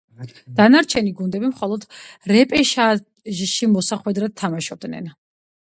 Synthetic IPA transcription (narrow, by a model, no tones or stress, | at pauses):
d̪̥anaɾt͡ʃʰɛniɡund̪ɛbimχɔlˠɔd̪ɾɛpʼɛʃa | ʒʃimɔsaχwɛd̪ɾad̪̚t̪ʰamaʃɔb̚d̪nɛ̰n